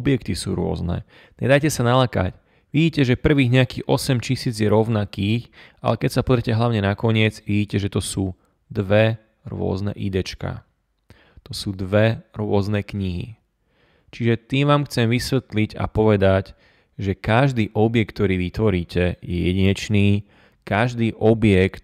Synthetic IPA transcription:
ɔbjɛkt̪isṵːɾʊɔ̰znɛ̰ | ɲɛ̰d̪ajcɛsanalaka̰c | ʋiɟiːcɛʒɛpr̩ʋiːɣɲɛakiɣɔsɛmt͡ʃisiːd͡zjɛɾɔʊnakiːxʔa̰lɛkɛcsapɔzɾɛcɛɦlaʊɲɛnakɔɲɪɛd͡zʋiɟiːcɛʒɛt̪ɔsuː | d̪ʋɛ | ɾʊɔ̰znɛ̰ʔid̪ɛt͡ʃka̰ | t̪ɔsuːd̪ʋɛɾʊɔznɛkɲiɦḭ | t͡ʃiʒɛt̪iːmʋaːmxt͡sɛmʋisʋɛt̪liɟa̰pɔʋɛd̪ac | ʒɛkaʒd̪iːʔɔbjɛk̚t̪t̪ːɔɾiːʋit̪ʋɔɾiːcɛjɛjɛɟiɲɛt͡ʃniː | kaʒd̪iːʔɔbɪjɛkt̪

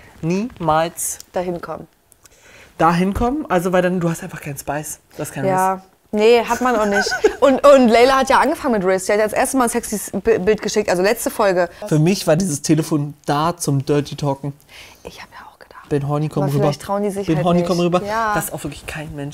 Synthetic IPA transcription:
niːmaːlsd̥aɦɪnkʰɔmə | d̥aːɦɪnkʰɔmənʔalzovaɪldanduːhastʔaɪnfaχkʰaɪn̩ʃpaɪs | d̥askʰanjaː | nəɦatmanaʊxnɪçtʔʊntʊntlɛɪlɐhatjaːʔanɡəfaŋənmɪtʁɪsd̥iːhatjaːdsʔeːɐstəmaːlnsɛksisbbɪlt̚ɡ̥əʃɪk̚tʔalzolɛt͡stəfɔlɡəfyːɐmɪçv̥aːɐdiːzəstʰeːləfoːnd̥aːt͡sʊmdœɐtʰitʰɔːkŋ̩ʔɪçhaːbəjaaʊxɡ̥əd̥aχb̥ɪnɦɔnikʰɔʁyːbɐçtʰʁ̥aʊndiːzɪçbɪnhɔnikʰɔmʁyːbɐḁːastaʊxv̥ɪɐklɪçkʰaɪnmɛnʃ

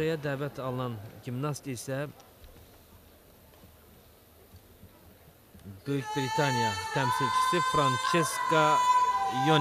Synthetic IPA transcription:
ɑjɑd̪æːvæt̪ʰɑlˠɨnɑnɡimnɑst̪isɛ | bøjykʲbɾit̪ʰɑnijɑt̪ʰæmsilt͡ʃʰi̥sɪfɾɑnt͡ʃʰeskɑ | jo

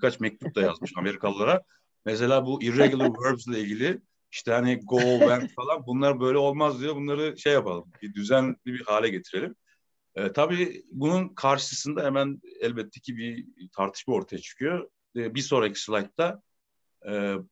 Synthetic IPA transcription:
bikʰat͡ʃmɛc̚t̪ʰup̚d̪aja̰zmɯʃame̞ɾikʰalˠːaɾa | mes̬e̞lʲaːbuʔiɾːɛɡulˠɯɾvøɾbzlʲˠailʲɟilʲɪ | iʃt̪ʰɛhaniɡolˠbænt̪falˠanbunlˠaɾbø̞jlʲɛo̞lˠmazd̪ijobunlˠaɾɯʃe̞jːapalˠɯmbid̪yzænlʲibihaːlʲɛɟe̞t̪ʰiɾe̞lʲim | ɛːt̪ʰabiːbununkʰaɾʃɯɯsɯnd̪aɦemænɛlʲbɛt̪ʰːecʰibit̪ʰaɾt̪ʰɯ̥ʃbmao̞ɾt̪ʰajat͡ʃʰɯ̥kʰɯjo | ɛbiso̞ːɾacʰi̥sulˠakt̪ʰaː

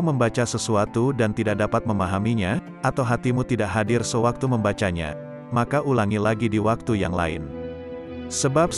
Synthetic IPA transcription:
məmbat͡ʃasəsuat̪udant̪idak̚dapat̪̚məmaɦamiɲa | ʔat̪awɦat̪imut̪idaʔɦadɪrsəwak̚t̪uməmbat͡ʃaɲa̰ | makaʔulaŋilaɡidiwak̚t̪uja̰ŋla̰ɪ̰n | səbap̚

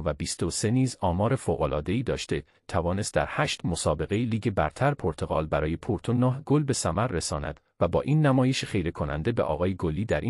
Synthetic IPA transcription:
væbiːst̪ose̞niːzɒːmɒːɾe̞foɣolɒːd̪e̞iːd̪ɒːʃt̪e̞ | t̪ʰævɒːne̞st̪̚d̪æ̰ɾhæːʃt̪mo̞sɒːbe̞ɣe̞iliːɟebæɾt̪ʰæɾpʰoɾt̪ʰo̞ɣɒːlbæɾɒːje̞pʰoɾt̪ʰonɒːɦɡolbe̞sæmæɾːesɒ̰ːnæ̰d̪̥ | væbɒ̰ːʔiːnːæmɒːje̞ʃeχe̞jɾe̞kʰo̞næ̰nd̪e̞bḛʔɒ̰ːɣɒːjeɡoliːd̪æɾʔi

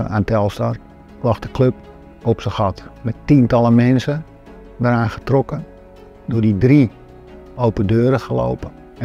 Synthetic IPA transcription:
aːntɛlˠstɔr | klɔxdəkløp̚ | ɔpsəxɔtmɛttintɑlˠəmɛnsə | dəɾaːnxə̥trɔkən | dʊdidri | owpədøːɾəxəlo̰wpə | ɛ

